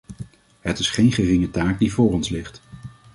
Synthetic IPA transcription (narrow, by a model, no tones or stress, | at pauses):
ɦətɪsχejnχərɪŋətaːk̚divʊːrɔnslɪχt